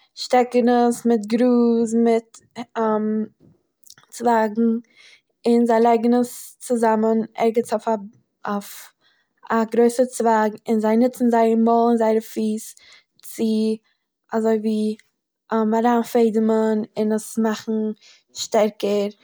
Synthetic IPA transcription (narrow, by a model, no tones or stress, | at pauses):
ʃtɛkənəsmɪtɡɾuːsmɪtː | m | t͡svaːɡŋ̩ | ɪnzaɪlˠɛɪɡənəst͡sɪzamənɛ̰ɾɡət͡sofa | f | aɡɾoɪsəɾt͡svaːɡɪnzaɪnɪt͡sn̩zaɪəmɔlˠɪnzaɪɾəfiːs | t͡sɪ | azoɪviː | əmaɾaːnfeɪdəmənɪnəsmaχn̩ | ʃtɛɾkəɾ